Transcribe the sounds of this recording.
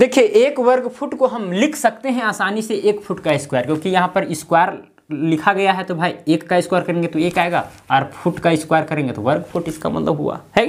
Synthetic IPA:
d̪eːkʰieʔeːkʋɐɾɡpʰuʈkoɦɐmlɪkʰsɐk̚t̪eɦɛ̃aːsaːniseʔeːkpʰuʈkaɪskwaːjəɾkjõːkijɐɦãpɐɾɪskwaːjɾ | lɪkʰaɡɐjaɦɛt̪obʱaːieːkːaɪskwaɾkɐɾẽŋɡet̪oeːkaːeɡa̰ɔːɾpʰuʈkaɪskwaːjəɾkɐɾẽŋɡet̪oʋɐɾɡpʰuʈɪska̰mɐ̰t̪ləbɦṵa̰hɛ

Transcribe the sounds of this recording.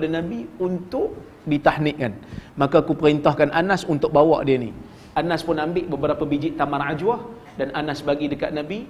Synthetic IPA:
padanabiunt̪ʊʔ̚ | dit̪ahnɪʔkanmakakupəɾint̪ɔhkanʔanasunt̪ʊk̚bawɔ̰ʔdiənḭ | ʔanaspʊnambɪʔbəbəɾapabid͡ʒɪʔt̪amarad͡ʒuah | dananasbaɡidəkat̪̚nabi

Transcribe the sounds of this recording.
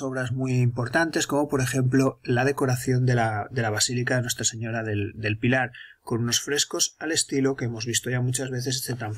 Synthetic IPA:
o̞β̞ɾazmwiimpo̞ɾt̪ant̪e̞sko̞mo̞po̞ɾe̞xẽ̞mplolað̞e̞koɾaθjo̞nd̪elad̪e̞laβasilikaðenwe̞st̪ɾase̞ɲo̞ɾaðeld̪e̞lpilaɾko̞nuno̞sfɾe̞sko̞sale̞st̪ilo̞keemo̞zβ̞ist̪o̞ʝamut͡ʃazβ̞e̞θe̞ssθet̪aɱ

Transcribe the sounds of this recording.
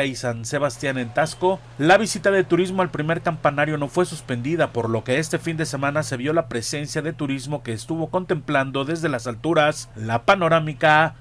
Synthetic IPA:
isanse̞βast̪jane̞nt̪asko̞ | laβ̞isit̪aðe̞t̪uɾizmo̞alpɾime̞ɾkampanaɾjo̞no̞fwe̞suspe̞nd̪iðapo̞ɾlo̞ke̞e̞st̪e̞find̪e̞se̞mãnase̞βjo̞lapɾe̞se̞nsjaðe̞t̪uɾizmo̞ke̞ːst̪uβo̞ko̞nt̪e̞mpland̪o̞ðe̞zðe̞lasalt̪uɾaslapano̞ɾamika

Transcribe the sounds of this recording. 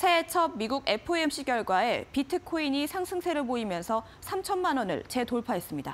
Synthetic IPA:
sʰe̞t͡ɕʰʌb̚miɡuɡe̞pʰɯemɕ͈ikjʌɭɡwae̞pitʰɯkʰoiɲisʰaŋsʰɯŋsʰe̞ɾɯɭpoimjʌnsʰʌ | sʰamt͡ɕʰʌnːanwʌnɯ̰ɭt͡ɕe̞toɭpʰaɦe̞s͈ɯmɲida̰

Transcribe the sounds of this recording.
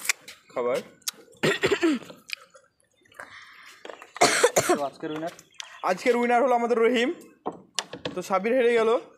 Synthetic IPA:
kʰʌbaɾ | ad͡ʒkeɾunaɾ | ad͡ʑkeɾujnaɾɦoloamad̪eɾːoɦim | t̪oʃabiɾɦeɾeɡɛlo

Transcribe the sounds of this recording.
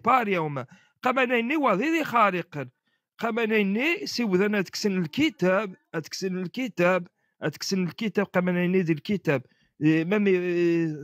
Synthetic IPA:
bɑɾjæwmæ | qæmænæjənːiwæðiðixɑɾiqən | qæmænæjənːisiwðænæd̪ə̥ksənəlkit̪æbæd̪əksənəlkit̪æb | æt̪ə̥ksənəlkit̪æb̚qæmænæjnːid̪əlkit̪æb̚ | mæmi

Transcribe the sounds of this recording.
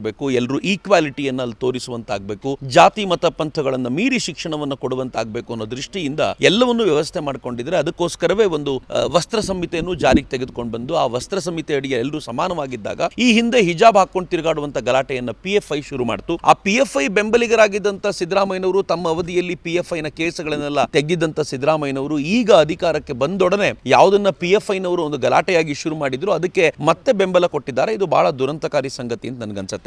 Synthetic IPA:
be̞ːkuɛlːɐɾuːʔiːkʋaːliʈijɐnːɐɐlːt̪o̞ːɾisuʋɐnt̪a̰ːɡ̚be̞ːkud͡ʒaːt̪imɐt̪ɐpɐnt̪ʰɐɡɐɭɐnːɐmiːɾiʃikʂɐɳɐʋɐnːɐkoɽuʋɐnt̪a̰ːɡbe̞ːkuɐnːoːd̪ɾiʂʈijind̪ɐ̰ɛlːɐʋɐnːuʋjɐʋɐst̪ʰe̞maːɖko̞ɳɖid̪ɐɾeɐd̪ɐkːo̞ːskɐɾɐʋe̞ːo̞nd̪uʋɐst̪ɾɐsɐmːit̪enːuːd͡ʒaːɾiɡet̪eɡed̪uko̞ɳɖbɐnd̪uaːʋɐst̪ɾɐsɐmːit̪ɛɐɽijɐɛlːɐɾusɐmaːnɐʋaːɡid̪ːa̰ːɡɐiːɦind̪e̞ɦid͡ʒaːbɦaːkːo̞ɳɖ̚t̪iɾiɡaːɽuʋɐnt̪ʰɐɡɐlaːʈɛjɐnːɐpiefʰɐjʃuɾuma̰ːɖt̪ua̰ːpijefʰɐjbe̞mbɐliɡɐɾaːɡid̪ːɐnt̪ʰɐsid̪ɾaːmɐjnɐʋɾut̪ɐmːɐːʋɐd̪ijɐlːipijepʰːɐjnɐkeːsɐɡɐɭɐnːɛlːɐt̪eɡ̪ːid̪ɐnt̪ʰɐsid̪ɾaːmɐjnɐʋɐɾuiːɡɐːd̪ʱikaːɾɐkːe̞bɐnd̪ɔɽɐne̞jaːʋud̪ɐnːɐpijefʰɐjnɐʋɐɾuond̪uɡɐla̰ːʈɛjaːɡiʃuɾumaːɽid̪ɾuɐd̪ɐkːe̞mɐt̪ːe̞be̞mbɐlɐko̞ʈːid̪ːaːɾeid̪ubʱa̰ːɭɐd̪uɾɐnt̪ɐkaːɾisɐŋɡɐt̪ijɐnd̪nɐnɐɡɐnsɐt̪ːe

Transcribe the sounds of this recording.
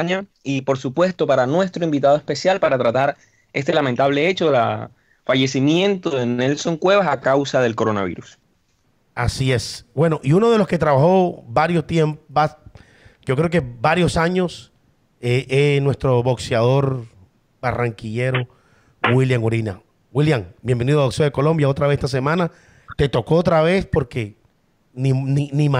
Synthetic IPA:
ɲaipo̞ɾsupwe̞st̪o̞paɾanwe̞st̪ɾoimbit̪að̞oe̞spe̞sjalpaɾat̪ɾat̪aɾ | e̞st̪e̞lamẽnt̪aβle̞et͡ʃoðela̰ | faʝe̞simje̞nt̪oðenelso̞ŋkwe̞βasakawsaðe̞lko̞ɾonaβḭɾus | asie̞sbwe̞no̞ʔiuno̞ðe̞loske̞t̪ɾaβaxo̞baɾjo̞st̪je̞mpoba | ɟ͡ʝo̞kɾeoke̞baɾjo̞saɲo̞s | eʔenwe̞st̪ɾo̞βo̞ksjað̞o̞ɾ | baraŋkiʝeɾo̞ | wiljaŋoɾina | wiljaŋbje̞mbeniðoaβokseðeko̞lo̞mbjao̞t̪ɾaβeset̪as̬e̞mãna | t̪e̞t̪o̞ko̞ot̪ɾaβe̞spo̞ɾke̞ | nininima

